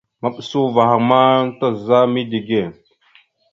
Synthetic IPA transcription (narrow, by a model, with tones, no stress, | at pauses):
ma˨ɓə˨su˦va˨ha˨ma˦ta˦˨za˦mi˦di˨ɡe˦˨